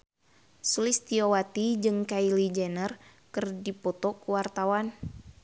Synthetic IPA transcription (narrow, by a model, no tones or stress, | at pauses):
sulɪst̪iowat̪id͡ʒɨŋkailid͡ʒɛnərkɨrdipɔt̪ɔkuwart̪awan